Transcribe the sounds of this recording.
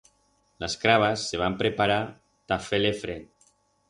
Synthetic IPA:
laskɾaβ̞asːeβ̞ampɾepaɾa | t̪afelefɾen

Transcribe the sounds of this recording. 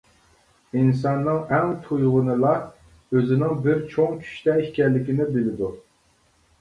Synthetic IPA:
insɑnːɨŋɛŋt̪ʰujʁʊnɨlˠɑ | øzɪnɪŋbɪɾt͡ʃʰoŋkʲʰy̥ʃt̪ɛiʃkʲɛlːɪkʲinɪbɪlɪd̪u

